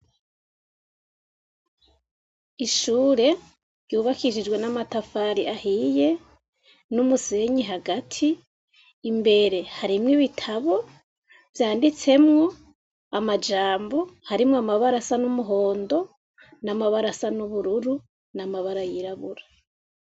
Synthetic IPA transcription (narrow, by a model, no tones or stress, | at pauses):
iʃuːɾe̞ | ɾjuːβakiʃid͡ʒɡwe̞namatafaɾiʔahije̞ | numuse̞ɲiɦaɡatʰiː | mbe̞ɾe̞haɾimŋiβitʰaβo̞ | vjaːndit͡se̞mŋo̞ | amad͡ʒaːmbo̞haɾimŋoamaβaɾasanumuɦo̞ːndo̞ | namaβaɾasanuβuɾuɾu | namaβaɾajiɾaβuɾa